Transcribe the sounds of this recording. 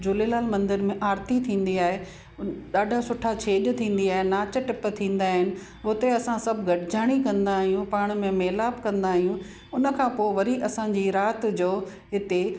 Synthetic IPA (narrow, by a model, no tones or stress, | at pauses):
d͡ʑʊlelaːlmɐ̃nd̪ɪɾmẽʔaːɾt̪it̪ʰĩːnd̪iaːɦe | ɗaːɖʱasʊʈʰat͡ɕʰeːɗt̪ʰĩːn̆d̪iaːɦenaːt͡ɕəʈɪp̆t̪ʰĩːnd̪aːɦɪnɪ̆ | ʊt̪eɐsãsɐbʱɡʱɐʈɪd͡ʑaːɽ̃ikɐ̃nd̪aːɦijũpaːɽ̃̆mẽmeːlaːbkɐ̃nd̪aːɦijũ | ʊnə̆kʰãːpoːɪʋɐɾiʔɐsãd͡ʑiɾaːt̪d͡ʑoː | ɦɪt̪e